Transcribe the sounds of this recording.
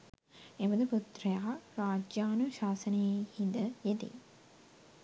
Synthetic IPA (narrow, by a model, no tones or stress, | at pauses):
ebəd̪əput̪rəjaːraːd͡ʒjaːnuʃaːsənəjehind̪əjed̪ḛ